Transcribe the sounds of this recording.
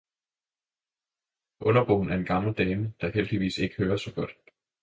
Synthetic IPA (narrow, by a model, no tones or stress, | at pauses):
ʔɔ̽nɐb̥ɔ̰ːn̩æɐe̝nɡ̥ɑ̈ml̩d̥ɛːməd̥ɑ̈hel̰d̥iʋḭːse̝ɡ̥ə̥høːɐsɒ̽ɡ̥ɒ̽d̥